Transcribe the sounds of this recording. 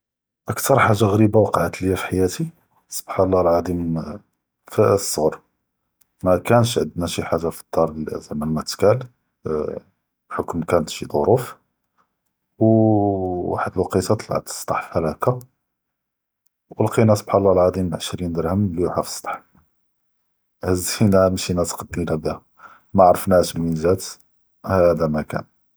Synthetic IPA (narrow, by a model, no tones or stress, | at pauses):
ʔəkt̪ɑɾˤħaʒːaɣɾibawɑqɑʕət̪ljæfi̥ħajæt̪i | sˤə̥b̥ħanlˤːɑlʕad̪im | fəsˤːəɣɾ | mækænʃʕəd̪næʃiħaʒːafə̥d̪̥ːɑɾˤlæ̰zæmælmæt̪kæl | ħokmkænət̪ʃid̪ˤo̰ɾuf | w | wa̰ħəd̪əlwɑqit̪ɑt̪ˤl̰ʕə̰t̪ə̥sˤt̪ˤɑħfhælæka | wəlqinæsˤb̥ħalˤːɑlʕɑd̪ˤiməlʕəʃɾind̪əɾˤhəmljuħafə̥sˤt̪ˤɑ̥ħ | hæzinæmʃinæt̪qd̪ːmilæb̪æ | mæʕɾˤəfnæʃlminzæt̪ | hæd̪æmækæ̰n